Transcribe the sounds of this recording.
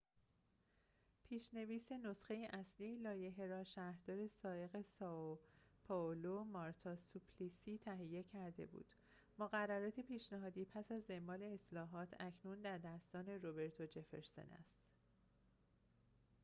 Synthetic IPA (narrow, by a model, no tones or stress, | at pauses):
pʰiːʃne̞viːseno̞sxe̞jeʔæsliːelɒːje̞ɦeɾɒːʃæɾd̪ɒːɾe̞sɒːe̞ɣe̞sɒ | pʰɒolomɒɾt̪ʰɒsupʰlisiːt̪ʰæɦijːe̞cʰæɾd̪e̞̰bṵːd̪̥ | moɣærːæɾɒːt̪ʰepʰiːʃnæɦɒːd̪iːpʰæsæzːembɒːle̞ːslɒːɦɒːt̪ʰæcʰnund̪æɾd̪æst̪ɒːne̞ɾobe̞ɾt̪ʰo̞d͡ʒe̞feɾso̞̰næ̰st̪